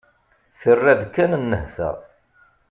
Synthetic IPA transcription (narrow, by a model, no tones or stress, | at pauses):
θərːæðkːænənːəhθə̰